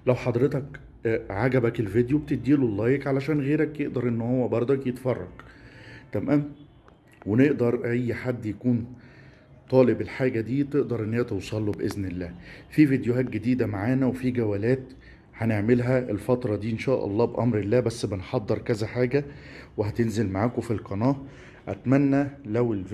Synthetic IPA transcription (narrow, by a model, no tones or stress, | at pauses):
læwħɑd̪ɾet̪ɑk | ʕaɡæbækelved̪jobet̪ed̪iːlolːæːjekʕalæʃæːnɣeːɾækjeʔd̪ɑɾˤʔenːhowːæbɑɾˤd̪ˤɑkjet̪fɑrˤːɑ̰ɡt̪æmʔæːm | weneʔd̪ɑɾˤʔæjːħad̪ːjækuːn | t̪ˤɑːlebelħaːɡæd̪iːt̪eʔd̪ɑɾˤʔenːæːæt̪owsˤɑlːubʔeznelːæːfiːvid̪joɦæːt̪̚ɡed̪iːd̪æmaʕaːnæwefiɡæwæːlæːt̪ | hæneʕmelɦæelfɑt̪ɾˤɑd̪iːʔenʃæːʔɑ̰lˤːɑːbʔɑmɾelːæːbæsːbenħɑd̪ˤːeɾˤkæzæħaːɡæweɦæt̪enzelmaʕaːkofilqɑnɑːʔ | ʔæ̰t̪mænːælæwel